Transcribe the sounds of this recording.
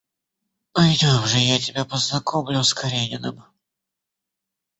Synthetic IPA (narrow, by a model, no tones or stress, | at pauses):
pɐjd̪ʲomʐɨjatʲɪbʲapəznɐkʰomlʲʊskɐɾʲenʲɪnɨ̰m